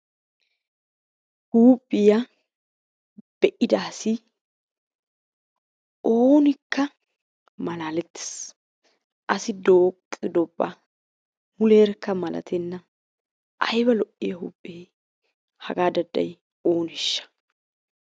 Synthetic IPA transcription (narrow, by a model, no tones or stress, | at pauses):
huːpʼːɪjɐ | b̥ɛʔɪd̪aːsɪ | oːnɪkːɐ | mɐlaːlɛt̪ːe̥s | ʔɐsɪd̪o̞ːkʼːɪd̪ɔbːa̰ | mʊleːɾkːɐmɐlɐ̰t̪ʰɛnːɐ | ʔɐ̰jbɐlɔʔɪjɐhṵːpʼːeː | hɐɡaːd̪ɐd̪ːɐ̰j | o̞ːnɪʃːɐ̥